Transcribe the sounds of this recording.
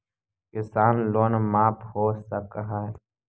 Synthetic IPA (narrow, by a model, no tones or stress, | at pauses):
kɪsaːnloːnmaːpʰhoːsakaɦa